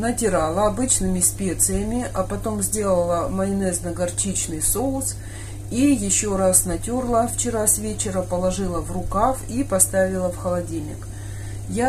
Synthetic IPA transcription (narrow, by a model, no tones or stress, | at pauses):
nətʲɪɾalˠəɐbɨt͡ɕnɨmʲɪsʲpʲe̞t̪sɨjəmʲɪʔɐpɐt̪o̞mzʲdʲe̞lˠəlˠəmɐɪnɛznəɡɐrt͡ɕit͡ɕnɨjsoʊs | ijɪɕːoɾasnɐtʲorlˠəft͡ɕɪɾasvʲet͡ɕɪɾəpəlˠɐʐɨlˠəvrʊkafipɐst̪avʲɪlˠəfxəlˠɐdʲilʲnʲɪ̰k | ja